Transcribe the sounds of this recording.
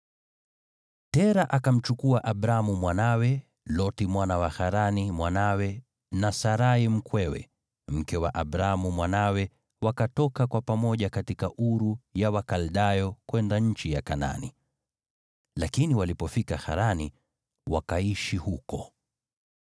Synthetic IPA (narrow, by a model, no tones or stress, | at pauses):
tɛɾaʔakam̩t͡ʃukuaʔaɓɾamumwanawɛ | lɔtimwanawaxaɾanimwanawɛ | nasaɾaim̩kwɛwɛ̰ | m̩kɛwaʔaɓɾaamumwanawɛ | wakatɔkakwapamɔʄakatikaʔuɾujawakalɗajɔkwɛndaɲ̩t͡ʃijakana̰ni | lakiniwalipɔfikaxa̰ɾani | wakaiʃihukɔ